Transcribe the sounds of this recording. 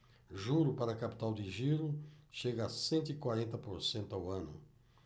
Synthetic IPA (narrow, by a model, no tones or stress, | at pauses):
ʒuɾʊpaɾɐkapi̥t̪awd̪ɪʒiɾʊʃeɡɐsẽnt̪ʊikwaɾẽnt̪ɐpoɾsẽnt̪ʊawɐ̃nʊ̰